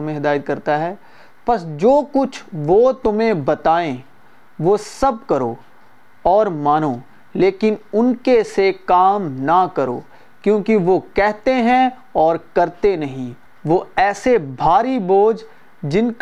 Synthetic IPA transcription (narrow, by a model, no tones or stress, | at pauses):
mẽɦɪd̪aːjət̪̚kɐɾt̪aɦɛː | pɐsd͡ʒoːkʊt͡ʃʰʋot̪ʊmẽbɐt̪aːẽ | ʋosɐb̚kɐɾoː | ɔːɾmaːnoː | leːkɪnʊnkesekaːmnɐkɐɾo̰ː | kjõːkiʋokɛɦt̪eɦɛ̃ | ɔːɾkɐɾt̪enɐɦĩ | ʋoɛːsebʱaːɾiboːd͡ʒ | d͡ʒɪnk